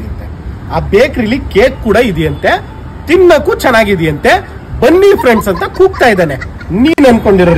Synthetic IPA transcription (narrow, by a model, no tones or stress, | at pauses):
nt̪ːe | aːbeːkɾilːikeːkːuːɽɐid̪ɛjɐnt̪e̞ | t̪inːɐkːut͡ʃɛnːaːɡid̪ɛjɐnt̪e̞ | bɐnːipʰɾeɳɖsɐnt̪ɐkuːɡ̚t̪aːjd̪aːne | niːnɐnd̪ko̞ɳɖiɾɐɾ